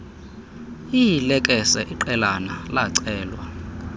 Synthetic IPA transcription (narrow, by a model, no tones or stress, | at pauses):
ijilɛkʼɛsɛʔiǃɛlanalaǀɛːlwa